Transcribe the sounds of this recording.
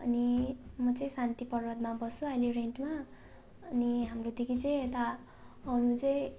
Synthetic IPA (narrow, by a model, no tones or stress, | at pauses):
ʌ̰nimʌt͡sʌĩsant̪ipʌrʌd̪mabʌsũalireɳʈma | ʌniɦamrod̪ikʰit͡sʌj̃et̪aː | nũt͡sʌĩ